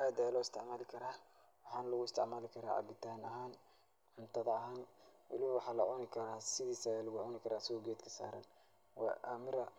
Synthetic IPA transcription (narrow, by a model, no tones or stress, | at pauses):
ʔaːd̪alɔːɪst̪ʰɛʕmaːlɪkʰɐɾaː | wɑħɑːnɐlɐɣʊɪst̪ɛ̰ʕmaːlɪkʰɐɾa̰ːʕɑ̰bɪt̪ʰaːnɐɦaːn | ħʊnt̪ʰɐðɐɐɦaːnwʔɑ̰lɪβɐwɑħɑːlɐʕʊnɪkʰɐɾaːsɪðiːsɐɛːlɐɣʊʕʊnɪkʰɐɾaːsɐɣɔːɡɛːd̪kʰɐ̥sa̰ːɾɐ̰n | wɑ̰ʔa̰mɪɾɐ